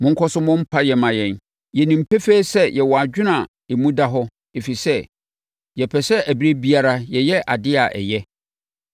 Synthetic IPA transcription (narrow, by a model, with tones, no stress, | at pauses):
mʊ̃˦ŋ̩˦kʰɔ˦sʊ˦mʊ̃˦m̩˦pʰa˦jɛ˨mã˨jɛ̃˨n | jɛ˨nĩ˨m̩˨pʰe˦feː˦sɛ˦jɛ˨wɔ˨a˨d͡ʑᶣɪ˦nã˨ | e˨mũ˦da˦ɦɔ˦ | e˨fi˨sɛ˦ | jɛ˨pʰɛ˨sɛ˦ʔæ˨bi˦ɾe˦bi˦a˦ɾa˦jɛ˨jɛ˦ʔa̰˨dɪ˦a˨ʔɛ̰˨jɛ˦